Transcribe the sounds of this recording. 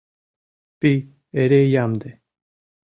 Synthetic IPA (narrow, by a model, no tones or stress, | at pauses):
pi | eɾejamd̪e